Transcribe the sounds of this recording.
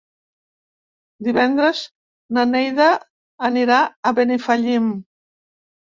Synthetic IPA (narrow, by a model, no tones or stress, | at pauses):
d̪iβɛnd̪ɾəz | nanejðaː | niɾaəβenifaʎim